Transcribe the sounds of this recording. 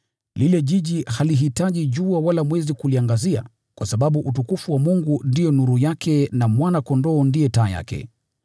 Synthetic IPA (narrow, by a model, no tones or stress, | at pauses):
lilɛʄiʄihaliɦitaʄiʄuawalamwɛzikuliaŋɡazia̰ | kwasaɓaɓuʔutukufuwamuŋɡundijɔnuɾujakʰɛnamwanakɔndɔːndijɛtaːja̰kɛ̰